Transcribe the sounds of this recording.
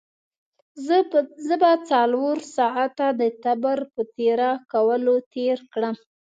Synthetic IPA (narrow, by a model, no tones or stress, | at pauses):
zəbat͡sɑlwoɾsɑʕat̪ad̪ət̪abaɾpət̪eɾakawəlot̪eɾkɽəm